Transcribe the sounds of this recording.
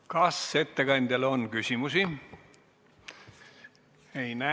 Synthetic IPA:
kɑse̞t̪ːe̞kɑnʲd̪̥ʲelo̞nkysʲimusi | ejnæ

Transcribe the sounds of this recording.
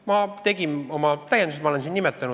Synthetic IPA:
mɑt̪e̞ɡino̞mɑt̪æjːend̪uset̪mɑlensinnimet̪ːˑɑnu

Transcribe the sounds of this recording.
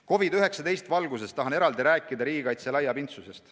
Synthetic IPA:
ko̞vid̪yɦe̞ksɑt̪e̞jst̪vɑlɡus̬e̞st̪ɑɦɑne̞ɾɑld̪iɾæːkːˑid̪ɑɾiːɡikɑjt̪selɑjːɑbint̪suse̞st̪

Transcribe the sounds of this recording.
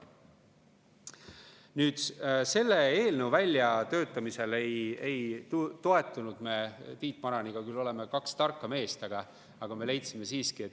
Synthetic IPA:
nyːd̪̥se̞lːe̞eːlnewvælʲːjɑt̪ø̞ːt̪ːˑɑmise̞le̞je̞j̪t̪o̞e̞t̪ːˑunud̪̥me̞ːt̪iːt̪ˑmɑɾɑniɡ̥ɑkylːo̞le̞mekɑkst̪ɑrkːˑɑme̞ːst̪ɑɡ̥ɑ | ɑɡ̥ɑme̞le̞jt̪sime̞siːskiet̪

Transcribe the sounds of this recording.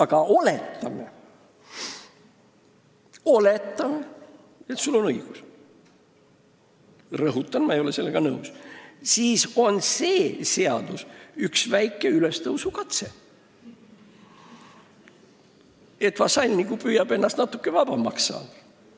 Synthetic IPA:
ɑɡ̥ɑʔo̞let̪ːˑɑme | o̞le̞t̪ːɑme | et̪sulːo̞nɤjɡ̥us | rɤɦut̪ːˑɑnmɑejo̞le̞se̞lːeɡ̥ɑnɤussiːso̞nseːse̞ɑd̪̥usyksvæjkːˑe̞yle̞st̪ɤwsukɑt̪se | e̞t̪vɑsɑlʲnikupyjɑbe̞nːɑst̪nɑt̪ːˑukːˑevɑb̥ɑmɑksɑ̰ːd̥̪

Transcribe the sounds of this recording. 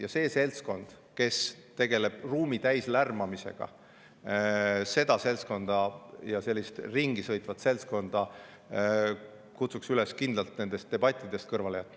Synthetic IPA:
jɑse̞ːse̞lsko̞nd̪̥ | ke̞st̪e̞ɡ̥e̞le̞b̥ruːmit̪æjslærmɑmise̞̰ɡ̥ɑ̰ | se̞d̪̥ɑse̞lsko̞nd̪̥ɑjɑse̞lːist̪riŋɡ̥isɤ̞jt̪ˑvɑt̪se̞lsko̞nd̪̥ɑ | kut̪suksyleskind̪lɑlt̪̚ne̞nd̪e̞st̪̚ːe̞b̥ɑt̪ʲˑːid̪̥e̞st̪̚kɤrvɑlejɑt̪ːˑ

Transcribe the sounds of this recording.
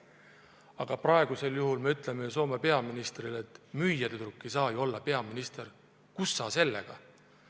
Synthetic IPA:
ɑɡ̥ɑprɑeɡ̥use̞ljuɦulmeyt̪ˑle̞mejs̬o̞ːmepe̞ɑminist̪rile̞t̪ːˑmyjɑd̪et̪ɾukːejsɑːjo̞lːɑpe̞ɑminist̪er | kusːɑːse̞lːe̞̰ɡ̥ɑ̰

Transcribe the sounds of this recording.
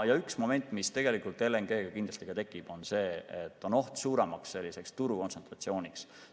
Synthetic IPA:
jɑyksmo̞me̞nt̪ːˑmist̪e̞ɡ̥e̞likult̪ːˑe̞lːeŋɡ̥e̞ːɡɑkind̪lɑst̪ikɑt̪e̞kːˑib̥o̞nse̞ːet̪ːˑo̞no̞ht̪suːɾemɑksːe̞lʲːise̞kst̪uɾuko̞nsent̪rɑt̪sio̞ːnʲiks

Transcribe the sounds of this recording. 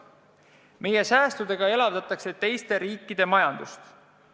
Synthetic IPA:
me̞je̞sæːst̪ud̪e̞ɡ̥ɑe̞lɑvd̪̥ɑt̪ːˑɑkse̞t̪e̞jst̪e̞ɾiːkˑːid̪̥e̞mɑjɑnd̪̥ust̪

